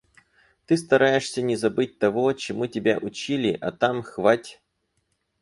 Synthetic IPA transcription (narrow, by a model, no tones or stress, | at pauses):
t̪ɨst̪ɐɾajɪʂsʲənʲɪzɐbɨt̚ʲt̪ɐvot͡ɕɪmutʲɪbʲa̰ʔʊt͡ɕilʲɪʔɐt̪amxvatʲ